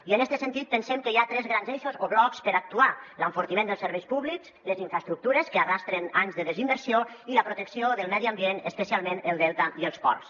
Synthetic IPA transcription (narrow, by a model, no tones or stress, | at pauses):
iənɛst̪əsənt̪it̪̚pənsɛmkəjat̪ɾɛzɣɾanzɛʃozoβlɔkspəɾak̚t̪ualəɱfuɾt̪imend̪əlˠsəɾβɛjspuβlikzləziɱfɾəst̪ɾuk̚t̪uɾəskəarast̪ɾenanzðəðəzimbəɾsioiləpɾut̪əksioðəlˠmɛðiambienəspəsialˠmenəlˠd̪ɛlˠt̪aiəlˠspɔ̰rs